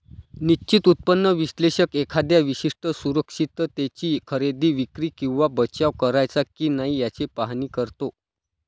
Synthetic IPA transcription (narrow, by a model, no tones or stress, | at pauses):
nit͡ɕit̪ut̪̚pənːəʋiɕleɕəkekʰad̪jaʋiɕiʂʈəsuɾəkʂit̪ət̪et͡ɕiːkʰəɾed̪iːʋikɾiːkĩw̃ʋabət͡ɕaʋkəɾajt͡sakiːnaɦijat͡sepaɦniːkəɾt̪o